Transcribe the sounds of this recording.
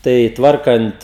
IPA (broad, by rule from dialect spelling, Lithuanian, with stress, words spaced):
ˈtɐɪ ˈtʋɐrkɐnt